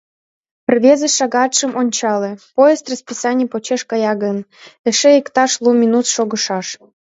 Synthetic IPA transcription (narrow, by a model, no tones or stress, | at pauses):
pərβʲezə̆ʃɑɣɑt̪ʃə̆mʔonʲt͡ɕɑlĕpojest̪rɑəspʲisɑnʲipot͡ɕeʃkɑjɑɣə̆nɘ̆ʃeikt̪ɑʃlˠumʲinut̪ʃoɣɤ̆ʃɑʃ